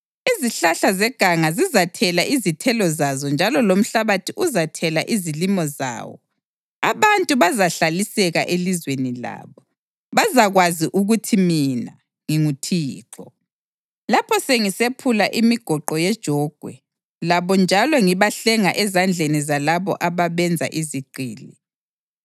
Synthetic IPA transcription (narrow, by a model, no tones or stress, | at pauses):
iziɬaɬazɛɡ̥ʱaŋazizatʰɛlaʔizitʰɛlɔzazɔnd͡ʒʱalɔlom̩ɬaβatʰiʔuzatʰɛlaʔizilimɔza̰ːwɔ̰ | aβantʼuβazaɬalisɛɣaʔelizwenila̰ːβɔ | βazaɣwaziʔuɣutʰimina | ŋiŋutʰiːǃɔ | lapʰɔseŋisepʰulaʔimiɡ̥ʱɔǃɔjɛd̥ʒ̥ʱɔːɡ̥ʱwɛ̰ | laβɔnd͡ʒʱalɔŋiβaɬɛŋaʔɛzand͡ɮʱenizalaβɔ̰ʔaβaβɛnd͡zʱa̰ʔiziɡ͡ǃʱiːli